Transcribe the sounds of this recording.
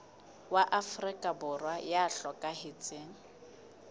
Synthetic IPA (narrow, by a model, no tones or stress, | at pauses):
waʔafrɪkʼabʊrwajaɬɔkʼahet͡sʼeːŋ̩